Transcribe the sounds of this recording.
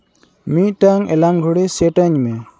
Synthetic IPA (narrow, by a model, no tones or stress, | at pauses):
mit̪̚ˀʈaŋʔɛlaŋɡʱuɽisɛʈaɲmɛ